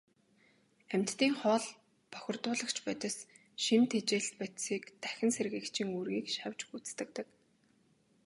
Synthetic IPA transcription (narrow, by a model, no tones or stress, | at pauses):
æm̥ʲt̪ːiːŋχɔːɮ | pœxʲɪ̆rt̪ʊːɮə̆kt͡ɕpœt̪ʲɪ̆s | ʃint̪ʰet͡ɕeːɬt̪̚pæt̪siːkt̪æxʲɪ̆nserɣɘ̆kt͡ɕʰĭŋurɣiːkʃawʲt͡ɕut͡st̪ə̆k̚t̪ə̆k